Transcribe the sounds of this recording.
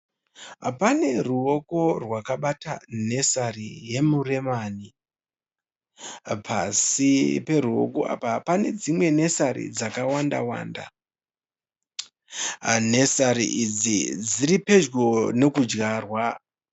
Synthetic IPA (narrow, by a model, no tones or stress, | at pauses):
pane̞ruo̞ko̞rwakaɓatane̞sarije̞mure̞maːni | pʰasipe̞ɾuo̞̰ko̞̰a̰papane̞d͡zimwe̞ne̞saɾḭd͡zakawanda̰wa̰ːnda̰ | ne̞saɾḭʔid͡zid͡ziɾipe̞d͡ʒɡo̞ne̞kud͡ʒɡarwa